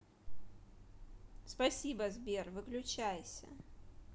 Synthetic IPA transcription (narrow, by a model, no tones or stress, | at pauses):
spɐsʲibəzbʲervɨklʲʊt͡ɕæjsʲə̰